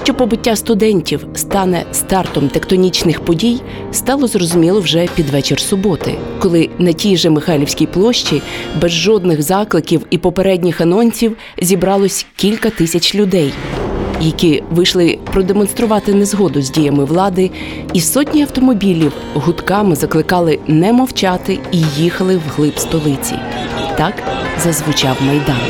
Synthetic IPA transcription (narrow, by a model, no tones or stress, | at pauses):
tʲɔpɔbɪtʲːast̪ʊd̪ɛnʲtʲiwst̪ɑnɛst̪ɑrt̪ɔmt̪ekt̪ɔnʲit͡ʃnɪxpɔdʲij | st̪ɑlˠɔzrɔzʊmʲilˠɔwʒɛpʲid̪ʋɛt͡ʃersʊbɔt̪ɪ̰kɔlˠɪnɐtʲijʒɛmɪxɑlʲiwsʲkʲijplˠɔʃt͡ʃibɛzʒɔd̪nɪɣzɑklˠɪkʲiwipɔpeɾɛdʲnʲixɐnɔnʲsʲiw | zʲibɾɑlˠɔsʲkʲilʲkɐt̪ɪsʲɐt͡ʃʲlʲʊd̪ɛjjɐkʲiʋɪʃlˠɪpɾɔd̪emɔnst̪ɾʊʋɑt̪ɪnɛzɦɔd̪ʊzʲdʲijɐmɪʋlˠɑd̪ɪ | isɔtʲnʲiɐwt̪ɔmɔbʲilʲiw | ɦʊt̪kɑmɪzɐklˠɪkɑlˠɪnɛmɔwt͡ʃɑt̪ɪijixɐlˠɪwɦlˠɪpst̪ɔlˠɪt͡sʲḭt̪ɑkzɐzʋʊt͡ʃɑwmɐjd̪ɑn